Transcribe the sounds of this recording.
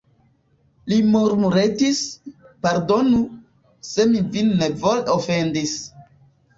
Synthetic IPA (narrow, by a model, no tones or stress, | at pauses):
limuɾmuɾetis | paɾdo̞nu | se̞mivinːevolofendis